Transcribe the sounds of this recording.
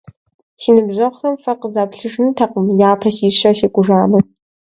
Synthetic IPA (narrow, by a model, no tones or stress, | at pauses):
siːnɨbʑʷɐχʷɬɐmfɐqəzaːpɬɨʒnɨtʰɐqʷʊmjaːpʰɐsiːɕɐseːkʷʼʊʒaːmɨ